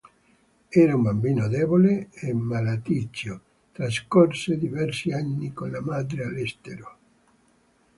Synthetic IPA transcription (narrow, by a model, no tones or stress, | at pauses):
ɛːɾaumbambiːnod̪ɛːboleemːalat̪it͡ʃːo | t̪ɾaskorsed̪ivɛrsianːikonlamad̪ɾealɛst̪eɾo